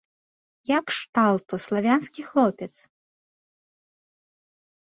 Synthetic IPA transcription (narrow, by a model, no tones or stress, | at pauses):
jakʂt̪alˠt̪uslˠavʲanskʲixlˠɔpʲɛt̪s